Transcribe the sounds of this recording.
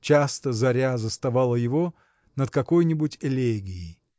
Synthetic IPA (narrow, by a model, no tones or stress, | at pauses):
t͡ɕast̪əzɐɾʲazəst̪ɐvalˠəjɪvo | nət̪̚kɐkojnʲɪbʊtʲɪlʲeɡʲɪɪ